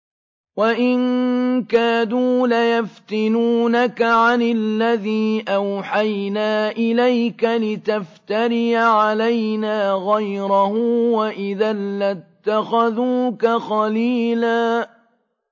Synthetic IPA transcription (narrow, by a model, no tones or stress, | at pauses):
waʔɪnkaːduːlajaft̪ɪnuːnakaʕanɪllːaðiːʔawħajnaːʔɪlajkalɪt̪aft̪aɾɪjaʕalajnaːɣajɾahʊwaʔɪðaːat̪ːaxaðuːkaxɑliːlaː